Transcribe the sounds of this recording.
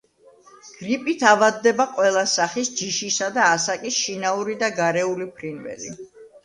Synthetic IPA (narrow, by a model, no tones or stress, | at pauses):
ɡ̥ɾipʼit̪ʰavad̪ːɛbaqʼwɛlˠasaχisd͡ʒiʃisad̪aːsakʼisʃinauɾid̪aɡaɾɛulipʰɾinvɛ̰lḭ